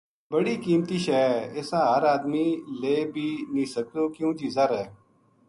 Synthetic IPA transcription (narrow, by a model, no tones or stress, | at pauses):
bəɽiːkiːmt̪iːʃɛːɪsãːɦəɾaːd̪miːleːbʱiːnĩːsək̚d̪oːkɪjõːd͡ʒiːzaːɾɦɛː